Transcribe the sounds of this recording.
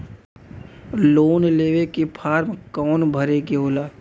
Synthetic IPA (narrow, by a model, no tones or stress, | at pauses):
loːnleːʋekipʰaːɾmkɔːnbʱəɾekeɦoːlaː